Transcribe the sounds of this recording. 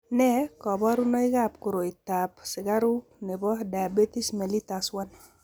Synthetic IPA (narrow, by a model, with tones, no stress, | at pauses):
nɛkɔ˨bɔ˦ɾu˦nɔ˦ɪɡapkʊɾo˨ɪ˨t̪a˨psɪ˨ɡa˦ɾu˦ne˨bɔ˦da˨be˦t̪i˦sme˨li˦t̪aswan